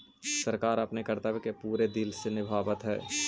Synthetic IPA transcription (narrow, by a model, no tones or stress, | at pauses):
sɐɾkaːɾɐpnekɐɾt̪aːʋkepuːɾed̪ɪlsenɪbʱaːʋət̪ɦɛ̰ː